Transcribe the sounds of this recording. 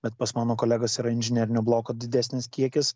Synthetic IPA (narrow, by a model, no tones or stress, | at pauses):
bʲɛt̪̚pɐsmɑːnoːkoːlʲæːɡɐsiːɾɐɪnʲʒʲɪnʲɛɾʲɪnʲoːblˠoːkod̪ʲɪd̪ʲæsʲnʲɪskʲiɛkʲɪs